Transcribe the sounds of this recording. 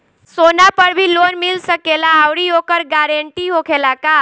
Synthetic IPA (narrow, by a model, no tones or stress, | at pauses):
sonapəɾbʱilonmilsəkelaːwɽiokəɾɡaɾəɳʈiɦokʰelaka